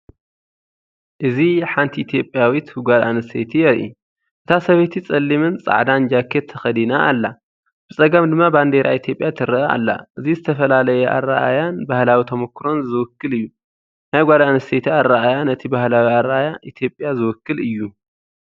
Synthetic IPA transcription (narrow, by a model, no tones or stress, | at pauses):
ʔɨziħant̪ʰiit̪ʰijo̞pʼːjawit̪ɡʷad̪a̰nɨset̪ʰijɛɾʔḭ | ʔɨt̪ʰasɐβet̪ʰit͡sʼɐlːimɨnt͡sʼa̰ʕd̪and͡ʒakʰːet̪ʰːɐxɐd̪inaʔːlːa | b̥ɨt͡sʼɐɡɐmd̪ɨmːaband̪eɾʔa̰it̪ʰjo̞pʼːjat̪ʰɨɾɨa̰lːa̰ʔɨzizɨt̪ʰɐfɐlalɐjɛʔa̰rːaʔa̰janbahlawit̪ʰɐmɐkːɾo̞nzɨwʊkːɨlɨjːu | najɡʷad̪anɐsʰet̪ʰiaɾːaʔajanɐt̪ʰibahlawiaɾaajaʔit̪ʰjo̞pʼːjazɨwʊkːɨlɨjːu